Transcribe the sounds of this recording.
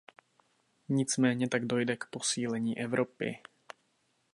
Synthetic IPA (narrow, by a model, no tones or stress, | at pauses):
ɲɪt͡smɛːɲɛt̪aɡdo̞jdɛkpo̞siːlɛɲiːʔɛvɾʔopɪ̰